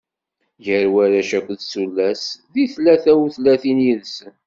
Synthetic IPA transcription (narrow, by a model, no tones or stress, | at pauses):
jəɾwæɾæʃækʷðsulːæsðiθlæθæwθlæθinjiðsn